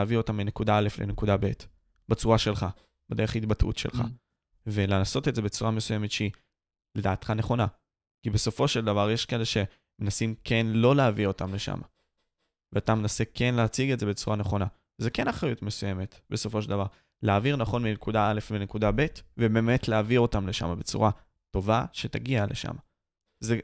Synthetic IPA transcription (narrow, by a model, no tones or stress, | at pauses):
vio̞tamlene̞kudaale̞flene̞kudabe̞t | bat͡suʁaʃe̞lχa | b̥ede̞ʁeχitbatṵtʃḛlχa̰ | ve̞lenaso̞teze̞bet͡suʁamesuje̞me̞tʃei | le̞daːt̪χane̞χo̞na | kibe̞so̞fo̞ʃe̞ldavaʁjeʃke̞leʃe̞ | me̞nasimkʰe̞nlo̞leavio̞tamle̞ʃa̰mʔa̰ | veatame̞nasekʰe̞nleːt͡siɡetze̞bet͡suʁaneχo̞na | zeke̞naχʁajutme̞suje̞me̞tbe̞so̞foʃeldavaʁ | leaːviʁnaχo̞nminekudaale̞fminekudabe̞tvebe̞ːme̞tleavio̞tamle̞ʃa̰mabe̞t͡sṵʁa | to̞vaʃe̞taɡialʔeʃa̰ma | ze